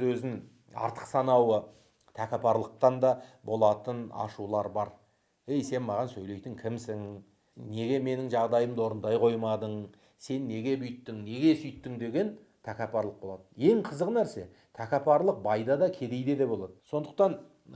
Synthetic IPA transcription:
ɵzɪŋ | ɑ̰ɾt̪ʰə̥qsɑnɑwə | t̪ʰækʲɑpʰɑɾlˠəq̚t̪ɑnd̪ɑbo̞lˠɑt̪ənɑ̰ʃulˠɑɾbɑɾ | ejse̞nmɑʁɑnsɵjle̞jt̪ɪŋkʲʰɪmsɪŋ | ne̞ɡʲe̞me̞nɪŋʒɑʁd̪ɑjəmd̪o̞ɾənd̪ɑjqʰo̞jmɑd̪əɴ | se̞nːe̞ɡʲe̞bʏjt̪ːɪŋne̞ɡʲe̞sʏjt̪ːɪŋd̪e̞ɡʲe̞n | t̪ʰækʲɑpɑɾlˠəq̚bo̞lˠɑd̪əje̞ŋqʰəzəqnæɾse̞ | t̪ʰækʲɑpʰɑɾlˠəq̚bɑjd̪ɑd̪ɑkʲʰe̞d̪e̞jd̪e̞d̪ebo̞lˠɑd̪əso̞nd̪əq̚t̪ɑn

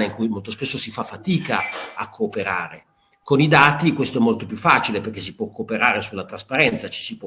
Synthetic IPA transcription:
neiŋkujmolt̪ospesːosifafːat̪iːkaakʰːoːpeɾa̰ːɾe | konid̪aːt̪ikwest̪oɛmːolt̪opjufːaːt͡ʃileperkes̬ipwɔkːoːpeɾaːɾesulːat̪ɾaspaɾɛnt̪sat͡ʃi̥sip

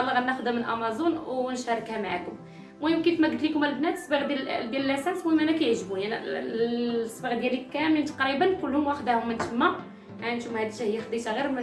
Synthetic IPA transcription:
ɑlːəɣænːæxd̪æmənʔɑ̰mɑzˤunwnʃɑɾˤkhæmaʕakʊm | muhimkit̪mæɡd̪likʊmælbnæt̪əsbəɣd̪æld̪jællːæsænsmuhimʔænækæjəʕʒbujænæ̰ | sbəɣd̪jælikːæmint̪ɑ̥qɾibənːkulːhʊmwæħd̪æhʊmːənt̪əmːæ | ʕant̪ʊmhæd̪iʃæhəjːæxd̪ˤit̪ɣiɾmæ

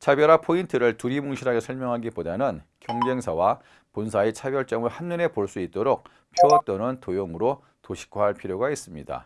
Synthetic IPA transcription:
t͡ɕʰabjʌɾapʰointʰɯɾɯɭtuɾimuŋɕʰiɾɦaɡesʰʌɭmjʌŋɦaɡipodanɯnkjʌŋd͡ʑeŋsʰawa | punsʰaet͡ɕʰabjʌɭt͡ɕ͈ʌŋɯɭhanːune̞poɭs͈uit̚t͈oɾok̚ | pʰjoʌt̚t͈ʌnɯntojoŋɯɾo | toɕʰi̥k͈ʰaɦaɭpʰiɾjoɡais͈ɯmɲida̰

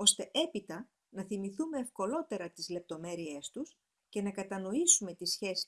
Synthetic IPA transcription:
o̞st̪e̞ʔe̞pit̪ɐ | nɐθimiθume̞ːfko̞lo̞t̪e̞ɾɐt̪izle̞p̚t̪o̞me̞ɾie̞st̪us | ce̞nɐkɐt̪ɐno̞isume̞t̪isçe̞si̥

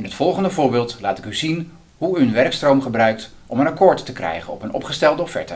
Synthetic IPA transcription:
ɪnɦətfɔlˠχəndəvʊːɹbɪːlˠtlaːtɪkyzin | ɦuyənʋɛrkstrowmχəbrœɥk̚t | ʔɔmənakoːɹtːəkrɛ̰jχənɔpənɔ̰pχəstɛlˠdəɔffɛ̰ɹtə

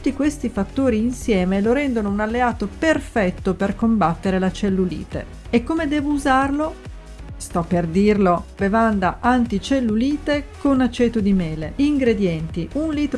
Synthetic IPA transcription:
ut̪ːikwest̪ifat̪ːoːɾiːnsjɛːmeloɾɛnd̪onounalːeaːt̪operfɛt̪ːoperkombat̪ːeɾelat͡ʃelːulḭːt̪ḛ | ekːomed̪ɛːvouzarlo | st̪ɔpːerd̪irlobevand̪aʔant̪it͡ʃelːuliːt̪ekonat͡ʃːɛːt̪od̪imɛːleiŋɡɾed̪jɛnt̪iunliːt̪ɾ

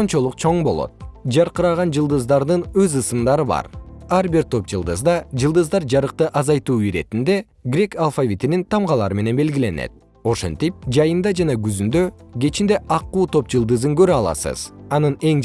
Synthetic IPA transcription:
ont͡ʃo̞lˠuq̚t͡ʃʰo̞ɴbo̞lˠo̞̰t̪̚d͡ʒɑɾqɯɾɑʁɑnd͡ʒɯlˠd̪ɯzd̪ɑɾd̪ɯnøzɯsɯmd̪ɑɾɯbɑ̰ɾɑɾbiɾt̪ʰo̞p̚d͡ʒɯlˠd̪ɯzd̪ɑd͡ʒɯlˠd̪ɯzd̪ɑɾd͡ʒɑɾɯq̚t̪ɯʔɑzɑjt̪uːiɾe̞̰t̪ind̪e̞ | ɡɾʲe̞kalˠfavʲit̪inint̪ʰɑmʁɑlˠɑɾɯme̞ne̞nbe̞lɡile̞ne̞̰t̪̚ | o̞ʃe̞̰nt̪ip̚d͡ʒɑjɯnd̪ɑd͡ʒɑnɑɡyzynd̪ø̞ɡe̞t͡ʃind̪e̞ʔɑqːuːt̪ʰo̞p̚d͡ʒɯlˠd̪ɯzɯŋɡø̞ɾɑlˠɑ̰sɯ̰z̥ɑnɯne̞ŋ

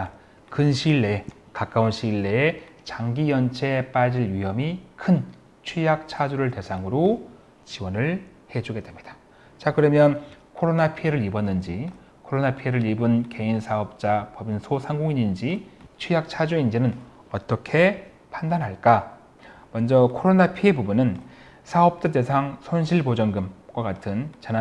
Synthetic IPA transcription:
kɯnɕʰiɭːe̞ | kak͈aunɕʰiɭːe̞ː | t͡ɕaŋɡijʌnt͡ɕʰep͈ad͡ʑiɭɥiɦʌmikʰɯn | t͡ɕʰwijak̚t͡ɕʰad͡ʑuɾɯɭte̞sʰaŋɯɾo | t͡ɕiwʌnɯɭ | he̞d͡ʑuɡe̞dwe̞mɲid̥ḁ | t͡ɕakɯɾʌmjʌn | kʰoɾonapʰieɾɯɾibʌnːɯnd͡ʑi | kʰoɾonapʰie̞ɾɯɭibɯnke̞insʰaʌp̚t͡ɕ͈apʌbinsʰosʰaŋɡoŋiɲind͡ʑit͡ɕʰwijak̚t͡ɕʰad͡ʑuind͡ʑinɯn | ʌt͈ʌkʰe̞ | pʰandanɦaɭk͈a | mʌnd͡ʑʌkʰoɾonapʰie̞bubunɯn | sʰaʌp̚t͡ɕ͈ade̞sʰaŋsʰonɕʰiɭpod͡ʑʌŋɡɯmkwakatʰɯnt͡ɕana

